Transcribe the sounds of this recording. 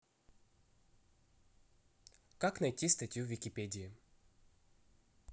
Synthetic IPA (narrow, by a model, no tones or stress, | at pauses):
kaknɐjtʲist̪ɐtʲjuvʲɪkʲɪpʲedʲɪɪ